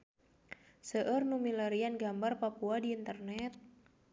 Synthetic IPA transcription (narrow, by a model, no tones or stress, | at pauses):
səʔərnumiləɾianɡambarpapuadiːnt̪ərnɛt̪̚